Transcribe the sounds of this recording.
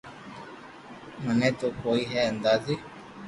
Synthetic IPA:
mənɛ̃t̪okoiɦɛənd̪azi

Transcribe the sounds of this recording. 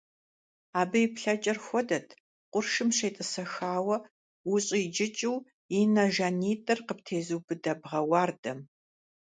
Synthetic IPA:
aːbɨjipɬɐt͡ʃʼɐrxʷɔdɐtʰ | qʷʼʊrʂɨmʂeːjtʼɨsɐxaːwɐ | wʊɕʼijd͡ʒɪt͡ʃʼɪw | jinɐʒaniːtʼɐrqəp̚tʰeːzɨwbɨdɐbʁɐwaːrdɐm

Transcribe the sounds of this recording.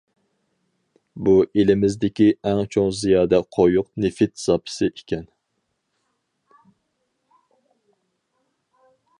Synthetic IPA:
buʔelɪmɪzd̪ɪkʲiɛŋt͡ʃʰoŋzijɑːd̪ɛqʰojuqnefɪt̪z̥ɑpʰɪ̥sɪʔekʲʰɛn

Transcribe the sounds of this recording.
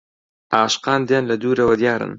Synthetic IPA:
ʔaːʃqɑːnd̪jaːnlɐd̪uːɾɐwɐd̪jaːɾɨ̰n

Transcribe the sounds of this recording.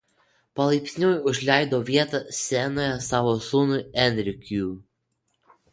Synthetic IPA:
pɐlˠɐɪpʲsʲnʲuːjʊʒʲlʲɛˑɪd̪oːʋʲiɛt̪ɐsʲɛnoːjɛsɑʋoːsuːnʊɛnʲɾʲɪkʲu

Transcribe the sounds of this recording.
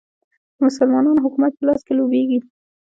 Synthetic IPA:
mʊsʊlmɑnɑnɦʊkumat̪̚pəlɑskelobeɡi

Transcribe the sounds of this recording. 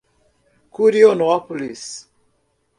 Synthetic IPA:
kuɾionoapulis

